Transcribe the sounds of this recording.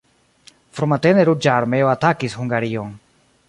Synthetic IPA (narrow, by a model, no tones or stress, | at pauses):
fɾumateneɾud͡ʒaːɾmeoatakishuŋɡaɾio̞n